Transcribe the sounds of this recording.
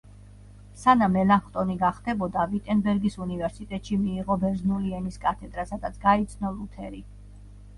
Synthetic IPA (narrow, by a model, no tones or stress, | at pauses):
sanamɛlaχt̪ʼɔniɡaχd̪ɛbɔd̪avit̪ʼɛnbɛɾɡisunivɛɾsit̪ʼɛt̪ʼʃimiːʁɔbɛɾznuliɛniskʼat̪ʰɛd̪ɾasad̪at̪sʰɡait̪sʰnɔlˠut̪ʰɛɾi